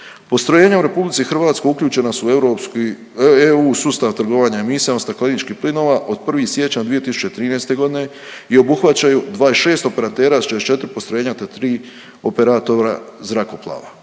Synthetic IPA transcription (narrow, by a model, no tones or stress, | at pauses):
po̞st̪ɾoje̞ːɲauɾe̞publit̪sixr̩ʋaːt̪skoukʎʲuːt͡ʃe̞nasueɾok | euːsust̪aʋt̪r̩ɡo̞ʋaːɲaemisiaost̪aklˠinit͡ʃkihplino̞ːʋaʔo̞d̪̚pr̩ʋisje̞t͡ɕad̪ʋie̞t̪isu̥t͡ɕet̪ɾiːnejst̪e̞ɡo̞d̪ine̞ | io̞buxʋat͡ɕajud̪ʋaːiʃe̞ːst̪o̞pe̞ɾat̪e̞ːɾast͡ʃest͡ʃe̞t̪ɾipo̞st̪ɾoje̞ːɲat̪at̪ɾiː | o̞pe̞ɾat̪oɾazɾako̞plˠa̰ːʋa̰